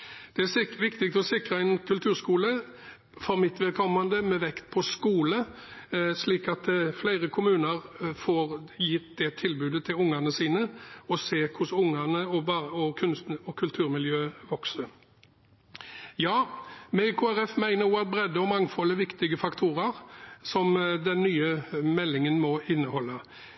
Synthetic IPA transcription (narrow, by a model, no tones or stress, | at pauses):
d̪̥ɛæʋɪkt̪ɪkt̪ɔsɪkɾɑɛɪnkʰʉlt̪ʰʉːɾskuːlə | fɔɾmɪt̪ʋɛlkʰɔmːɑnd̪əmɛʋɛkt̪̚pʰɔskuːlə | sliːkɑt̪flæɪɾəkʰʊmʉːnəɾfoːʁjɪt̪d̪ɛt̪ʰɪlbʉːd̪ət̪ʰɪlʊŋːɑnəsiːnəɔseːkʰʊsʊŋənəɔbɑɔkʰʉnst̪n̩ɔkʰʉlt̪ʰʉːʁɾmɪljøːʋɔksə | jɑːmɛkʰʊæɾɛfmæɪnəjuːɑt̪̚bɾɛd̪ːəɔmɑŋfɔlːəʋɪkt̪ɪɡəfɑkt̪ʰuːɾəɾsɔmd̪ɛnːyːəmɛlːɪŋənmɔɪnːəhɔlːə